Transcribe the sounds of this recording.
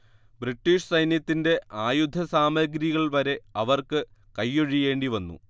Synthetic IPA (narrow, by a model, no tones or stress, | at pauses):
briʈːiːʂsɐjnjɐt̪ːinde̞aːjud̪ʱːɐsaːmɐɡɾiɣɐɭʋɐɾe̞ɐʋɐrkɨkɐjːoɻije̞ːɳɖiʋɐnːṵ